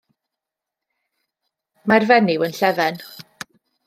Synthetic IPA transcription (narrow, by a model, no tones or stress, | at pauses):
majrvɛnɪwənɬɛvɛn